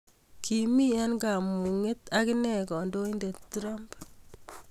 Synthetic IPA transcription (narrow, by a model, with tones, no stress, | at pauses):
kʰi˨mi˦a˦nɡa˨mu˨ŋe˦ta˦kinɛ˨kɔ˨ndo˦i˦nde˨ttuɾa˦mp